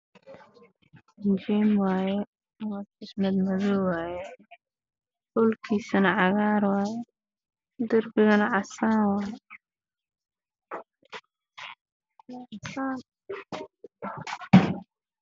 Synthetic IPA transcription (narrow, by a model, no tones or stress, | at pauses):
ɪnt͡ʃɛmwaːjɛ | wafɪsnɐd̪mɐðɔːwaːjɛ | hʊlkʰiːsɐnɐʕɑɣaːɾwɑːjɛ | d̪ʊrbɪɣɐnɐʕɑsaːnwaːjɛ | aʕɑsaːn